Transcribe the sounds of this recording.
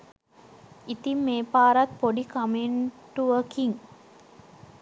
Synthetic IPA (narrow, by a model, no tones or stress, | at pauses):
it̪imːeːpaːɾɐt̪poɖikɐmeɳʈuʋəkiŋ